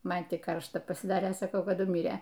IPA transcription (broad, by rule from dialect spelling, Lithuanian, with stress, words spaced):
ˈmɐn tʲɪk ˈkɐrʃtɐ pɐsʲɪˈdɑːrʲeː sɐˈkɐʊ kɐˈdʊ ˈmʲiːrʲeː